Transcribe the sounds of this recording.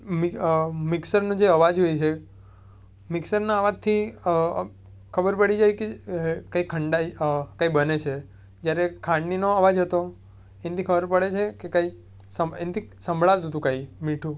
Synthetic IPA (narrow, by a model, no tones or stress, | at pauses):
mmɪksəɾnũd͡ʒeəʋad͡ʒɦojt͡ʃʰe | mɪksəɾnaːʋat̪ʰːi | kʰəbəɾpəɽid͡ʒajkekaikʰːəɳɖakaibənet͡ʃʰe | d͡ʒjaɾekʰãɳɖninoəʋad͡ʒɦət̪o | ent̪ʰikʰəbəɾpəɭet͡ʃʰekekai | səent̪ʰisə̃mbʱɭalt̪ɦət̪̬ũkaimiʈʰũ